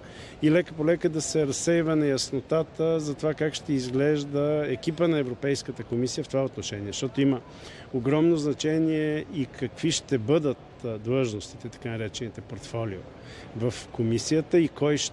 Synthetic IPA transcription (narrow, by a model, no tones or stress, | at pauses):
ilɛkəpolɛkəd̪ɐsɛɾɐsːɛjvənɐjɐsnot̪at̪əzɐt̪ovakakʃt̪ɛizɡlɛʒd̪əɛk̟ipənɐɛvɾopɛjskət̪əkomisijəft̪ovaot̪noʃɛniɛʃt̪ɔt̪oimə | oɡɾɔmnoznɐt͡ʃɛniɛikʰɐkviʃt̪ɛbɤd̪ət̪ | d̪lˠɤʒnost̪it̪ɛt̪ɐ̥kanɐɾɛt͡ʃɛnit̪ɛpoɾt̪fɔlio̰ | vɐfkomisijət̪əikɔjʃ